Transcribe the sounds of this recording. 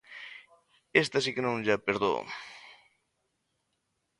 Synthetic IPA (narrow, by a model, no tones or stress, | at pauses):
est̪asikenõŋʎapeɾðo̰